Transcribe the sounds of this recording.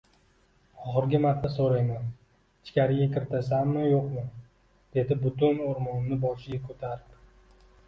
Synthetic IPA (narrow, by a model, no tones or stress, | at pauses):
ɒχɨɾɡʲɪmaɾt̪ʰːasoɾajman | ɪt͡ʃʰɪ̥kʲʰaɾɪɡʲakʲɪɾt̪ʰas̬amːɪjoqmɪ | d̪̥e̞d̪ɪbʊt̪ʊnoɾmɒnːɪbɒʃɪɡʲakʰɵt̪ʰaɾɪpp